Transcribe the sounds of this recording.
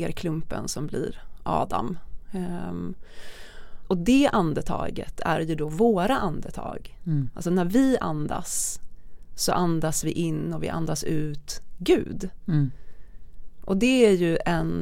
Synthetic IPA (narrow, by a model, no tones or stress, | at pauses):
ɾkʰlɵmpə̰nsɔmblɪ̰ɾʔɑ̰ːd̪a̰m | ɔd̪ɛʔand̪ət̪ʰɑ̰ːɡə̰t̪ʰæ̰ɾjɵd̪ɔvoːɾaʔand̪ət̪ʰɑ̰ːɡalsɔnæɾvɪa̰nd̪a̰s | sɔ̰ʔand̪asvɪʔɪnːɔvɪ̰ʔa̰nd̪asʉ̟ːt̪ɡʉ̟̰ːd̪ | ʔɔd̪ɛæɾjɵɛn